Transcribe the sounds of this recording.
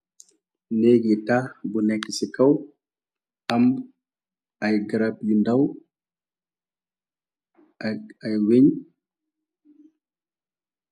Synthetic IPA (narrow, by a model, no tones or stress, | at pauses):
nɛɡɛtabɔnakːisikaw | ʔam | ajɡɾapjindaw | ajweɲ